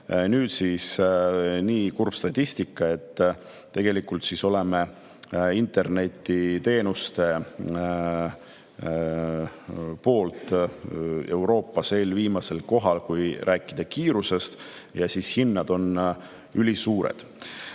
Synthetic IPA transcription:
nyːd̪siːs | niːkurb̥st̪ɑt̪ʲːisʲt̪ikːˑɑe̞t̪ː | e̞ɡe̞likːˑult̪siso̞leme | int̪ˑe̞rne̞t̪ʲːit̪e̞ːnust̪e̞ | po̞ːlt̪ | e̞wɾo̞ːpːɑse̞ːlviːmɑse̞lko̞ɦɑlkujɾʔæːkːˑid̪̥ɑkiːɾuse̞st̪ | jɑsishinːɑd̪̥o̞n | ylʲisuːɾḛd̪̥

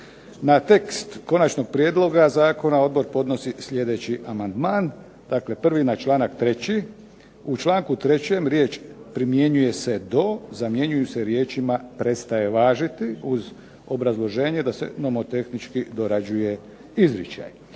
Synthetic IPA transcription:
nat̪e̞kst̪ko̞nat͡ʃno̞ɡ̚pɾjeːd̪lˠo̞ɡazaːko̞nao̞d̪̚bo̞ɾpo̞d̪no̞sisʎʲe̞d̪e̞t͡ɕiʔamand̪maːn | d̪̥akle̞pr̩ʋinat͡ʃlaːnakt̪ɾe̞t͡ɕi | ut͡ʃlˠaːŋkut̪ɾe̞t͡ɕe̞mɾjeːt͡ʃpɾimje̞ɲuje̞se̞d̪o̞zamje̞ɲujuse̞ɾjeːt͡ʃimapɾe̞t̪st̪aje̞ʋaːʒit̪iuz | o̞bɾazlˠo̞ʒe̞ːɲed̪ase̞̰no̞mo̞t̪e̞xnit͡ʃkid̪oɾad͡ʑuje̞ | izɾjet͡ʃa̰j

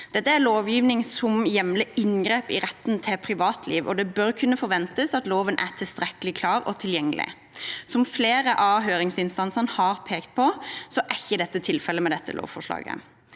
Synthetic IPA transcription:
d̪̥ɛt̪ːəæɾloːʋjiːʋnɪŋsɔmjɛmlɪɪŋɡʁeːpɪ̰ʁɛt̪ːnt̪ʰɪpʰɾɪʋɑːt̪ʰliːʋɔ̰d̪ɛbœʁkʰʉnːəfɔɾʋɛnt̪əsɑt̪loːʋənʔæ̰t̪ʰɪlst̪ʁɛkəlɪkʰlɑːʁɔ̰t̪ʰɪljɛŋːəlɪ̰ | sɔmfleːɾəʔɑɦøːɾɪŋsɪnst̪ɑnsənhɑːʁpʰeːkt̪̚pʰɔsɔʔɛçəd̪ɛt̪ːət̪ʰɪlfɛlːəmɛd̪ɛt̪ːə̰lo̰ːʋfɔʂlɑ̰ːɡə̰

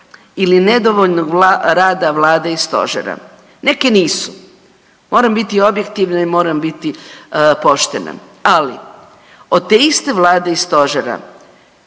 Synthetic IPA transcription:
iline̞d̪oʋoʎnoɡɾaːd̪aʋlaːd̪eist̪o̞̰ʒḛɾa̰ | ne̞ke̞niːsu̥ | moːɾambit̪io̞bje̞kt̪iʋnaimo̞ːɾambit̪ipo̞ʃt̪e̞na̰ | ali | od̪̚t̪eist̪e̞ʋlˠaːd̪eist̪o̞ʒeɾa̰

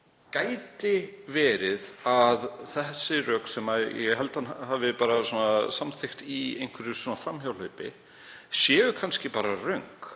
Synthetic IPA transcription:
kaːjt̪ɪvɛːɾɪðaðθɛsːɪrœːksɛmajɛ̰ɦɛlt̪hanɦaːvɪpaːɾasɔːnasamθejxt̪iejŋkʰvɛɾɪɾ̥sɔːnafɾamçjawlhœɥpɪ̰ | sjɛːvʏkʰanscɪpaːɾarœɥŋk

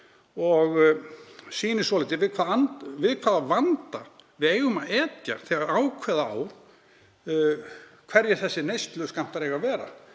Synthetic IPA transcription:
ɔɣ | siːnɪsɔlɪt̪ɪvɪðkʰv̥aːðanvɪðkʰvaːðavant̪avɪðeːjɣʏmaðɛːt̪ja̰θɛaɾaːwkʰvɛːðaa̰ːwɾ̥ | kʰv̥ɛɾjɪɾ̥θɛsːɪnejst̪lʏskam̥t̪aɾejɣavɛːɾa̰

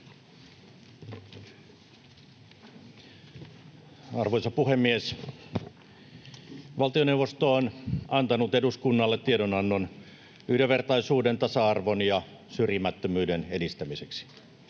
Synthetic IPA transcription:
ɑrʋojsɑpuhemːies | ʋɑlt̪ioneuwʋost̪oːnɑnt̪ɑnut̪eduskunːɑlːet̪ːiedonɑnːon | yhdeʋe̞rt̪ɑisuːdent̪ɑsɑɑrʋonjɑ | syrjimæt̪ːømyːdenedist̪æmiseksi̥

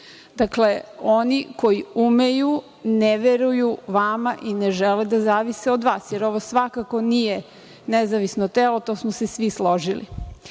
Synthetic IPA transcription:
d̪̥akle̞o̞niko̞jiumeju | neʋeɾujuʋamaʔineʒeled̪azaːʋiseod̪ʋaːsjeɾo̞ʋosʋakako̞nije | nezaʋisnot̪elot̪o̞ːsmose̞sʋislˠo̞ʒilḭ

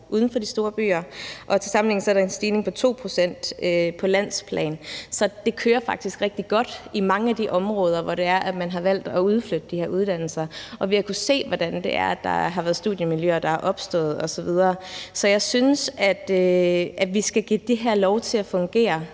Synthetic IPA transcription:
ʔuð̞ˠn̩fɒ̽d̥isd̥o̝ːɐb̥y̰ːɐʔɒ̽t͡sʰe̝lsɑ̈m̩le̝ŋn̩sɒ̽ɐɾɑ̈e̝nsd̥iːne̝ŋpʰɒ̽t͡sʰo̝̰ːpʰʁo̝sen̰d̥øpʰɒ̽læn̰spʰlɛ̰ːnsɒ̽d̥e̝kʰøːɐfɑ̈ɡ̥̚d̥isɡ̥ʁɛɡ̥̚d̥iɡ̥ɒ̽d̥imɑ̈ŋəæd̥iʔɒ̽mʁɔ̽ːð̞ˠɐʋɒɾ̥e̝æɐʔæ̥mænɦɑ̈ʋæl̰d̥ɒuð̞ˠflød̥əd̥iheɐuð̞ˠd̥æn̰l̩sɐʔɒ̽ʋihɑ̈kʰuse̝̰ːʋɒd̥ænd̥e̝ʔæɐd̥ɑ̰̈ɦɑ̈ʋæɐð̞ˠsd̥ṵðˠjəmiljøːɐd̥ɑ̈æʔɒ̽b̥sd̥ɔ̰̽ːð̩ˠɒ̽sɒ̽ʋið̞ˠɐːsɒ̽jɑ̈ɪsynəsæd̥øʔæ̥ʋisɡ̥æɡ̥id̥eɦæɐ̰lɒʊt͡sʰe̝læfɔ̽ŋɡ̥e̝̰ːɐ

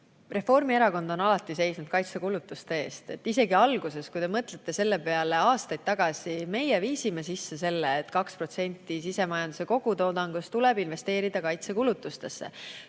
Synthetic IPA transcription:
re̞fo̞rmieɾɑko̞nd̪o̞nɑlɑt̪ˑːise̞jsnud̪̥kɑjt̪sekulut̪ːˑust̪e̞e̞ːst̪e̞t̪ːise̞ɡiɑlɡ̥use̞skujd̪e̞mɤt̪le̞t̪ːe̞se̞lːe̞pe̞ɑle̞ɑːst̪ɑjd̪̥̚t̪ːɑɡ̥ɑsime̞jeviːsime̞sisːe̞se̞lːeːt̪ːˑkɑkspro̞t̪se̞nʲt̪ːˑis̬ise̞mɑjɑnd̪̥u̥se̞ko̞ɡ̥ut̪o̞ːd̪ɑŋɡ̥ust̪ulɛbinve̞st̪e̞ːɾid̪̥ɑkɑjt̪sekulut̪ːˑust̪e̞sːḛ

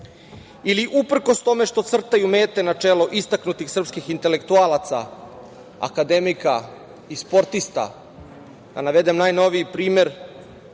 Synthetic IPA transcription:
iliʔupr̩kost̪o̞me̞ʃt̪o̞t̪sr̩t̪ajumeːt̪e̞nat͡ʂeːloʔist̪aknut̪ixsr̩pskixint̪e̞le̞kt̪uaːlˠat̪sa̰ | a̰kad̪e̞mika | ispo̞ɾt̪ist̪a̰ | ɡ̥̪a̰naʋe̞d̪e̞mnaːjno̞ʋiipɾiːme̞ɾ

